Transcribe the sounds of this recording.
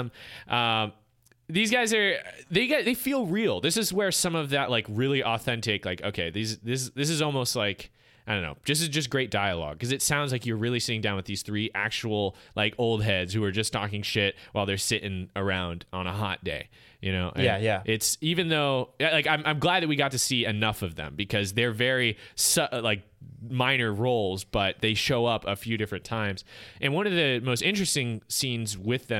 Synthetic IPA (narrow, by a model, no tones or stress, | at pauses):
mʔʌ̃m | ðizɡaɪzə˞ðeɪɡaðeɪfilˠɹilˠðɪsɨzwə˞sʌ̃mʌvðɨʔlaɪkɹɪlˠiʔɔθɛ̃ntɪklaɪkoʊkʰeɪðizðɪs̬ðɪs̬ɨzɔlˠmoʊst̚ˡlaɪk | aɪɾõnːo̰ʊ̥ðʌs̬ɨzd͡ʒʌs̬ɡ̥ɹeɪt̚d̥aɪəlɔ̰ɡ̥̚kʌzɨtsãʊ̃ndzlaɪkjə˞ɹɪlˠisɪɾɪ̃ŋdãʊ̃nwəðiz̥θɹiʔæ̰k̚t͡ʃul̩ˠlʔaɪkʰoʊlˠd̚ɦɛdz̥hʉə˞d͡ʒʌstʰɔkɪ̃ŋʃɪt̚wʔaɪlˠðə˞sɪɾʔɪ̃ŋə˞ãʊ̃ndə̃nəɦɑ̰t̚d̥ḛɪ | jɨñoʊʔɨ̃njæʔɪtsivɨ̃nðoʊlaɪkãɪ̃mʔãɪ̃mɡlæd̪̚ðɨt̚wiɡɑtɨsiɨnʌfʌvðɨ̰̃mbɨkʰʌzðə˞vɛɹisʌlaɪk̚mãɪ̃nə˞ɹoʊlˠzb̥ʌt̪̚ðeɪʃoʊʌpəfjʉɾɪfɹɨ̃ntʰãɪ̃mz̥ʔɨ̃nwʌ̃nʌvðɨmoʊstɪ̃nt͡ʃɹ̥ɨstɪ̃ŋsĩnzwɪðɨ̃